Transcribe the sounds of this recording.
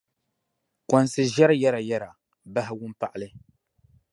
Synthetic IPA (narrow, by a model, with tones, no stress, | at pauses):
kʷɔ˨nsɨ˨ʒɛ˦ɾjɛ˦ɾa˨jɛ˦ɾa˨ | ba˦ɦɪ˦wʊ˦mpa˦ʔa˦lɨ˦